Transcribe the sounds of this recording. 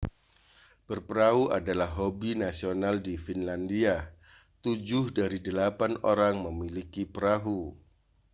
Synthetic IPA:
b̥ərpəɾaɦuʔa̰dalahɦobinasionaldifinlandiat̪ud͡ʒʊhdaɾidəlapano̰ɾaŋməmilikipəɾaɦu

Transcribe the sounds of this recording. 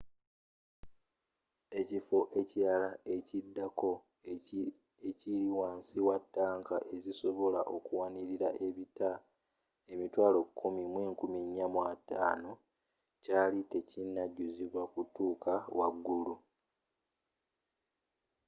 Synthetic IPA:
e̞cifo̞ʔe̞ciɾalaecidːako̞ | eciɾiwaːnsiwatːaːŋkaʔe̞ziso̞βo̞laʔo̞kuwaniɾiɾaʔe̞βita | e̞mitwaːlo̞kʰːumimweːŋkumiɲːamwata̰ːno̞ | caːlite̞cinːaɟːuziβwakutːuːkawaɡːulu

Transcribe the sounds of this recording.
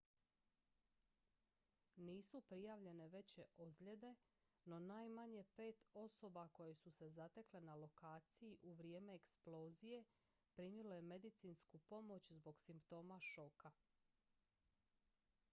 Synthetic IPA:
niːsupɾijaːʋʎe̞ne̞ʋe̞t͡ɕe̞ʔozʎe̞d̪e̞ | no̞naːjmaɲe̞pe̞ːt̪o̞so̞bako̞je̞suse̞zat̪e̞kle̞nalo̞kaːt̪sijiʔuʋɾje̞ːme̞ːksplo̞ːzije̞ | pɾimjiloje̞me̞d̪it̪siːnskupo̞mo̞t͡ɕzbo̞ɡsimpt̪o̞ːmaʃo̞ka

